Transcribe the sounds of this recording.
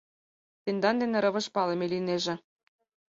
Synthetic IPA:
t̪end̪ɑnd̪enĕɾɤ̆βɤ̆ʃpɑlemelineʒĕ

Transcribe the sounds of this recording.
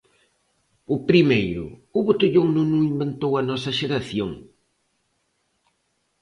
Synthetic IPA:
ʊpɾimejɾʊ̰ʊβot̪eʎoŋnũŋnũŋimbent̪owɐnɔsɐʃeɾaθjoŋ

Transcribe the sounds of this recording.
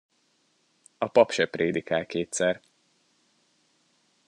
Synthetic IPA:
ɒpɒpʃɛpreːd̪ikaːlkeːt̪sɛr

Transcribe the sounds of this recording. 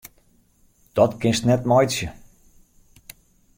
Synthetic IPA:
d̥ɔtkɪnstnɛtmɔjsjə

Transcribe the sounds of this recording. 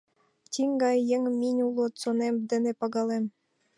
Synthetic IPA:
tʲiŋɡɑjːĕŋminʲulˠot̪t͡sonemd̪ɘ̆nĕpɑɣɑlem

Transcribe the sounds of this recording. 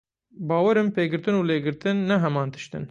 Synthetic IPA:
bɑːwɛɾɨmpeːɡɨɾt̪ɨnuːleːɡɨɾt̪ɨnːɛɦɛmɑːnt̪ʰɨ̥ʃt̪ɨ̰n

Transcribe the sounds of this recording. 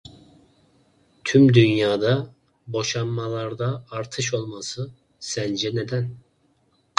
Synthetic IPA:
t̪ʰymd̪ynjaːd̪a | boʃamːalˠɑɾd̪aːɾt̪ʰɯʃ̬o̞lˠmasɯ | sænd͡ʒɛned̪æn

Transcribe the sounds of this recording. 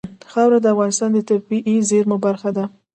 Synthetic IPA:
xɑwɾad̪əafɣɑnɪst̪ɑnd̪ət̪abbiʔizeɾmobaɾxad̪a

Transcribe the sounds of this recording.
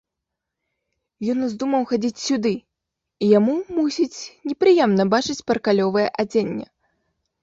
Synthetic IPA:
jɔnuzd̪umɐwxad͡zʲit͡sʲsʲud̪ɨ | ijamumusʲit͡sʲnʲɛpɾɨjɛmnɐbat͡ʂɨt͡sʲpɐɾkalʲɔvɐjɛʔad͡zʲenʲːɛ̰

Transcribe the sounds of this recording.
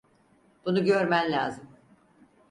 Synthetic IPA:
b̥unuɟø̞ɾmænlʲa̰ːzɯm

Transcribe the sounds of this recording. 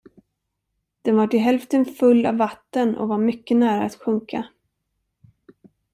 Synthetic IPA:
d̪̥ɛnvaʈɪɦɛlft̪ənfɵlːa̰vːat̪ːənɔ̰vaɾmʏkːənæːɾa̰ːt̪ɧɵŋkʰa

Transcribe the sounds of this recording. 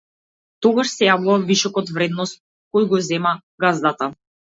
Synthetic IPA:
t̪ɔɡaʃsɛjavuvaviʃɔkɔt̪vɾɛd̪nɔst̪̚ | kɔjɡɔzɛma | ɡazd̪at̪a

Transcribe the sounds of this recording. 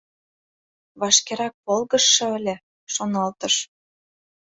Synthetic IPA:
βɑʃkeɾɑk̚βolˠɣɤ̆ʃːɤ̆ə̆lʲĕ | ʃonɑlt̪ɤ̆ʃ

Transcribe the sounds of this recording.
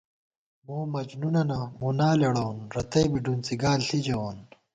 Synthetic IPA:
moːmɐd͡ʑnunɐnɐmoːnaːlɐɽownɾɐt̪ɐjbiɖunt͡siɡaːlɬid͡ʑɐwoːn

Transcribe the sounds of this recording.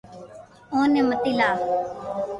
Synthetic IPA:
õːnẽːmət̪iːlaː

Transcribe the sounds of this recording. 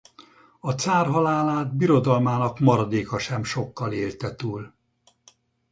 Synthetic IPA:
ɒt̪saːrɦɒlaːlaːd̪biɾo̞d̪ɒlmaːnɒkmɒɾɒd̪eːkɒʃɛmʃo̞kːɒleːlt̪ɛt̪uːl

